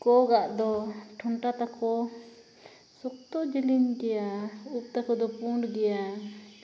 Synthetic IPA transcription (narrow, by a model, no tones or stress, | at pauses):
kɔɡaʔd̪ɔʈʰɔɳʈat̪akʰɔ | sɔk̚t̪ɔd͡ʒilinɡɛjaup̚ˀt̪akɔd̪ɔpuɳɖɡɛja